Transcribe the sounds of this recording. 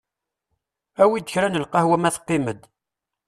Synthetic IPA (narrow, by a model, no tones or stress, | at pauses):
æwid̪əçɾænəlqɑhwæmæθqːiməd̪